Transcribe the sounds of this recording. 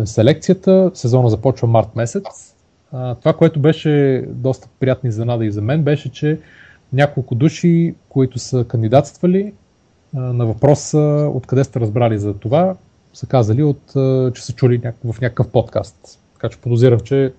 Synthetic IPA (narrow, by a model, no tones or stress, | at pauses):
sɛlɛk̚t̪sijət̪əsɛzɔnəzɐpɔt͡ʃvəmaɾt̪mɛsɛt̪sss | t̪ovakoɛt̪ʊbɛʃɛd̪ɔst̪ə̥pɾijat̪nizɐnad̪əizɐmɛnbɛʃɛt͡ʃɛ | nʲakolˠkʊd̪uʃikoit̪ʊsəkɐnd̪id̪at̪st̪vəli | nɐvɐpɾɔsəo̰t̪kɐd̪ɛst̪ɛɾɐzbɾalizɐt̪ova | səkazəliot̪t͡ʃɛ̥sət͡ʃulinʲavɐfnʲakə̥kəfpɔt̪ka̰st̪ | t̪ːɐ̥kat͡ʃɛ̥pod̪ʊziɾəmt͡ʃɛ